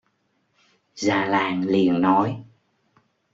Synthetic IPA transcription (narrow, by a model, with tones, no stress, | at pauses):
zaː˨˩laː˨˩ŋli˨˩ənːɔ˨˦j